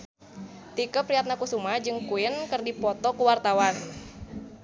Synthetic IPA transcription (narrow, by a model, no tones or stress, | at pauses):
t̪ikəpɾiat̪̚nakusumad͡ʒɨŋkuɪnkɨrdipɔt̪ɔkuwart̪awan